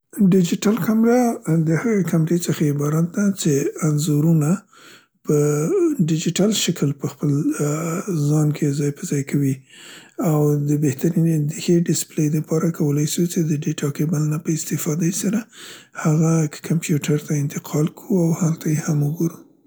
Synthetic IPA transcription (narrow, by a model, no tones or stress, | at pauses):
ɖɪd͡ʒɪʈalkamɾad̪əhaɣekamɾet͡səxaɪbɑɾat̪̚d̪at͡ʃeanzuɾuna | pəɖɪd͡ʒiʈalʃakʰəlpəxpəl | zɑnkʰezɑjpəzɑjkʰawi | awd̪əbeht̪aɾinnd̪əxeɖɪsplejd̪əpʰɑɾakʰawəlajʃut͡ʃed̪əɖeʈɑkebalnapəɪst̪ɪfɑd̪esaɾahaɣakkʰampjuʈaɾt̪aɪnt̪ɪqʰɑlkʰuawhalt̪ʰajehamʊɡuɾu